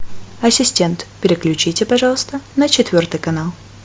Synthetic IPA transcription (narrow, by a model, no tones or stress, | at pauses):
ɐsʲɪsʲtʲe̞nt̪pʲɪɾʲɪklʲʉt͡ɕitʲɪpɐʐɑlˠəst̪ənət͡ɕɪt̪vʲo̞rt̪ɨjkɐnalˠ